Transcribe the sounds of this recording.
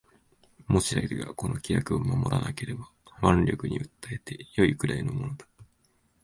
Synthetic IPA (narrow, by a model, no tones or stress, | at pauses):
mo̞ɕiɾaiɾɯɡa̰ko̞no̞kʲijakɯ̟omamo̞ɾʔanake̞ɾe̞ba | mãnɾʲo̞kɯ̟ɲ̟iɯ̟t̪ːaet̪e̞jo̞ikɯ̟ɾaino̞mo̞no̞d̪ḁ